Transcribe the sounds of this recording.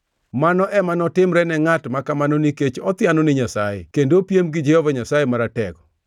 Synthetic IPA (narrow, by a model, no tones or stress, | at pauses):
manɔʔɛmanɔtɪmɾɛnɛŋatmakamanoniket͡ʃɔt̪ɪanonɪɲasajḛkendopjemɡɪd͡ʒɛhovaɲasajemaɾatɛɡɔ